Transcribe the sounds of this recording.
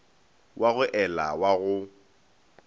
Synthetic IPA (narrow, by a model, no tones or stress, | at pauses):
wʔaɣʊʔɛla̰waɣʊ